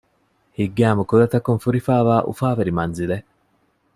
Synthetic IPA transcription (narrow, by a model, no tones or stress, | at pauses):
hiɡːeɐmukuɾɐt̪ɐkːunfuɾifaːʋaːʔṵfaːʋeɾimɐnzile